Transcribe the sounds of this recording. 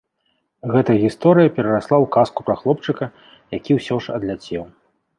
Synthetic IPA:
ɣɛt̪ɐjɐɣʲist̪ɔɾɨjɐpʲɛɾɐɾaslˠawkaskupɾaxlˠɔp̚t͡ʂɨkɐ | jakʲiwsʲɔʂɐ̰d̪lʲat͡sʲɛw

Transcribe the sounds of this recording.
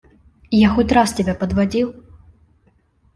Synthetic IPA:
jaxut̪ʲɾast͡sʲɛbʲɛpɐd̪vad͡zʲiw

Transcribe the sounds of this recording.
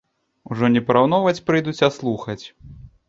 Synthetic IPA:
uʐɔnʲɛpɐɾawn̪ɔvɐt͡sʲpɾɨjd̪ut͡sʲaslˠuxɐt͡sʲ

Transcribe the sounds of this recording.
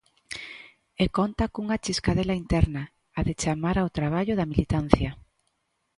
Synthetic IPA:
ekont̪akuŋat͡ʃiskaðelaint̪ɛɾnaː | ðet͡ʃamaɾaowt̪ɾaβ̞aʎʊðamilit̪an̟θjɐ

